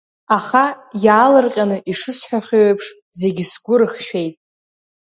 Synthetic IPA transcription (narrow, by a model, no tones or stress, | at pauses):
aχajaːlɨrqʲʼanɨʔiʂɨsħʷᶣaχʲeɥapʰʂ | ze̞ɡʲɪsɡʷʊɾɨχʃᶣe̞jtʼ